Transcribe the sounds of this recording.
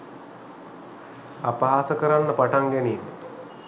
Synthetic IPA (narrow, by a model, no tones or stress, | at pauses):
apaɦasəkəɾanːəpaʈaŋɡænim